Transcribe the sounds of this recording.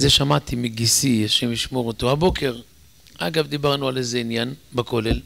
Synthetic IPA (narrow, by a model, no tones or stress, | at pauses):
zeʃamat̪imiɡisieʃemiʃmo̞ʁot̪ohabo̞kʰe̞ʁ | aɡavd̪ibaʁnualezeinjanbako̞le̞l